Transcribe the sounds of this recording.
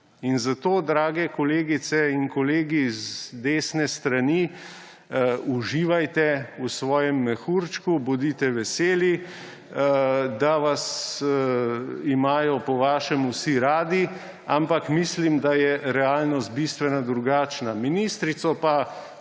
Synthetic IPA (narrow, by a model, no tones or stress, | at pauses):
inzat̪oːd̪ɾaːɡɛkɔleːɡit̪sɛinkɔleːɡizd̪eːsnɛst̪ɾani | uʒiːʋajt̪ɛusʋɔːjɛmːɛxuɾt͡ʃkubɔd̪it̪ɛʋɛseːlji | d̪aʋas | imaːjɔpɔʋaːʃɛmusiɾaːd̪i | ampakmislimd̪ajɛɾɛaːlnɔst̪̚bist̪ʋɛnad̪ɾuɡaːt͡ʃnaminist̪ɾit̪sɔpa